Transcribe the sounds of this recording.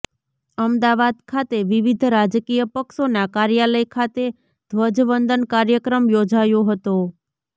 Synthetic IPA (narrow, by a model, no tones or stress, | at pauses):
əmd̪aʋad̪kʰat̪eʋiʋid̪ʱɾad͡ʒkijəpəkʃonakaɾjaləjkʰat̪e | d̪̥ʱʋəd͡ʒʋənd̪ənkaɾjəkɾəmjod͡ʒajoɦət̪o